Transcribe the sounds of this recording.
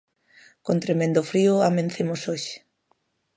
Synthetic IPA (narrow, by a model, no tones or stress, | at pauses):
kont̪ɾemẽnd̪ʊfɾiʊamẽnθemʊsoʃɪ̥